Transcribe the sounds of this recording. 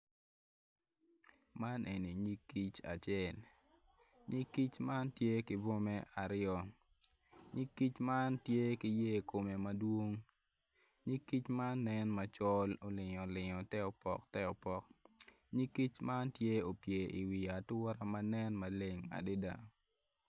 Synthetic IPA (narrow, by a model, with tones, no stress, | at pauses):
ma˦nʔe˨ni˨ɲi˦kːi˦t͡ʃa̰˨t͡ʃɛ˦˨l | ɲi˦kːi˦t͡ʃma˦ntje˦kɪ˦bo˦mɛ˦ʔa˨ɾɪjɔ˨ | ɲi˦kːi˦t͡ʃma˦ntje˦kɪ˨˦je˦˨ko˨me˨ma˦dwo˦ŋ | ɲi˦kːi˦t͡ʃma˦nːɛ˦nma˨t͡ʃɔ˦lo˨lɪ˨ɲɔ˨lɪ˨ŋɔ˨tɛ˦ɔ˨pɔ̰˨ktɛ˦ɔ˨pɔ˦k̚ | ɲi˦kːi˦t͡ʃma˦ntje˦o˨pje˨i˨wi˨a˨tʊ˦ɾa˦ma˦nɛ˦nma˨le˦ŋa̰˨de˦da˨